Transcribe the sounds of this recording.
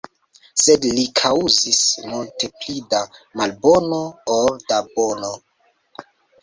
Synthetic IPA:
sedlikʰauzismulte̞plidamalbo̞nooldabono

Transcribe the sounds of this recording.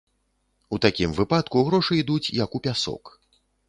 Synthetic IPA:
ut̪akʲimvɨpat̪kuɣɾɔʂɨid̪ut͡sʲjɐkupʲasɔ̰k

